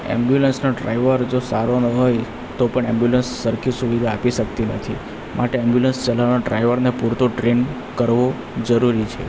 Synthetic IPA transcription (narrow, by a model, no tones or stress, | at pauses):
ɛ̰mbjulənsnoɖɾa̰iʋəɾd͡ʒosaɾonəɦoj | t̪opəɳɛmbjulənsːəɾkʰisuʋid̪ʱaːpiʃəkt̪inə̰t̪ʰḭ | mʔaʈeɛmbjulənst͡ʃəlaʋnoɖɾaiʋəɾnepuɾt̪oʈɾen | kəɾʋo | d͡ʒəɾuɾit͡ʃʰḛ